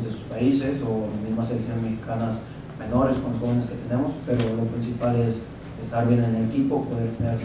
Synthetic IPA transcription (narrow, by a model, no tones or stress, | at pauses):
zdesuspaise̞so̞lazmizmaselksjonezme̞xi̥kanas | me̞no̞ɾeskonlosxo̞βeneske̞t̪e̞ne̞mospe̞ɾo̞lo̞pɾinsipale̞s | est̪aɾβje̞nenelekipopo̞ðe̞ɾt̪eneɾ